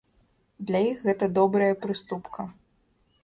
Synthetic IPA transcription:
d̪lʲɐjixɣɛt̪ɐd̪ɔbɾɐjɐpɾɨst̪upkʰɐ

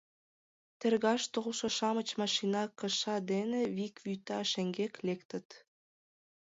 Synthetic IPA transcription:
t̪erɣɑʃt̪olʃoʃɑmət͡ɕmɑʃinɑkə̆ʃɑd̪eneβikvyt̪ɑʃeŋɡeklekt̪ə̆t̪

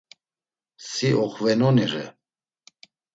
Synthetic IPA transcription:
siʔɔχvɛnɔniɾɛ

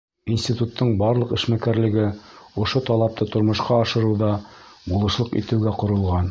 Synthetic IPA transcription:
insʲt̪ʲit̪ut̪ːɤɴbɑɾlˠɤqɘ̆ʃmækæɾlɘ̆ɡɘŏʃot̪ɑlˠɑp̚t̪ɤt̪ŏɾmŏʃqɑːʃɤ̆ɾɤwðɑbulˠɤ̆ʃlˠɤqḭt̪ɘ̆wɡæqŏɾɤ̆lˠʁɑn

